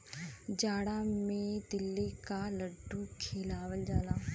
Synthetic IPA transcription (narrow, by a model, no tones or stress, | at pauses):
d͡ʒaːɽamẽd̪ɪlːikaləɖʱːukʰeːlaːʋəld͡ʒaːlaː